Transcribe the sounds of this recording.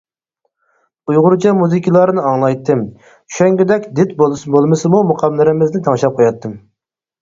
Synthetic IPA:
ujʁʊɾt͡ʃʰɑmuzɨkʲʰilˠɑɾɨnɨɑŋlˠɑjt̪ʰːɨm | t͡ʃʰy̥ʃɛŋɡʲyd̪ɛkʲd̪ɪt̪̚bolˠɨsɨbolˠmɨsɨmumuqʰɑmlˠɨɾɪmɪznɪt̪ʰɑŋʃɑp̚qʰojɑt̪ʰːɨm

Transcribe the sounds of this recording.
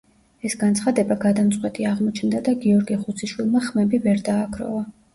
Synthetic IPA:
ɛsɡant̪sʰχad̪ɛbaɡad̪amt̪sʼqʼwɛt̪ʼiaʁmɔt͡ʃʰnd̪ad̪aɡiɔɾɡiχut̪sʰiʃwilˠmaχmɛbivɛɾd̪aːkʰɾɔ̰va

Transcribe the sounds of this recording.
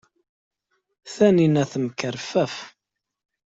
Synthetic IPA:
θæninæθəmkəɾfæf

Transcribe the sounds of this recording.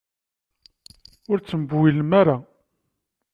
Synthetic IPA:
ʊɾt͡sːəməbuwiləmaɾa

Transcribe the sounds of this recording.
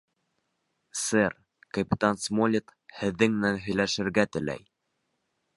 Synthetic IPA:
sɘr | kɐpʲɪt̪ansmolʲɪt̪hɘ̆ðːɘŋmɘ̆nænɦɵ̆jlæʃɘ̆ɾɡæt̪ɘ̆læ̰j

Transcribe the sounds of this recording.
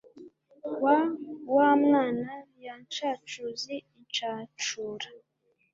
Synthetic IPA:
wawamŋaːnajant͡ʃat͡ʃuziːnt͡ʃaːt͡ʃuːɾḁ

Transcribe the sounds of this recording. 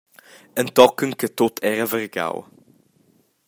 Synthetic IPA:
ənt̪ɔkəŋkət̪ot̪ʰɛɾɐvəɾɡa̰w

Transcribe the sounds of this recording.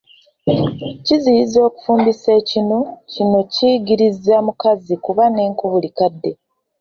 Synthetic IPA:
cizijizo̞ːku̥fuːmbise̞ːcino̞cino̞ciɡiɾizamukazikuβane̞ːŋkuβulikadːe̞

